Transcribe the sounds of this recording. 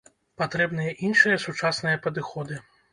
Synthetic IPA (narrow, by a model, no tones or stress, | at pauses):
pat̪ɾɛbnɨjɐʔinʂɨjɐsut͡ʂasnɨjɐpɐd̪ɨxɔd̪ɨ